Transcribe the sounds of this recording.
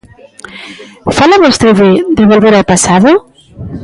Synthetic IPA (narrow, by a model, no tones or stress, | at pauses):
falaβɔst̪ɾeβed̪eβalˠβeɾepasaðo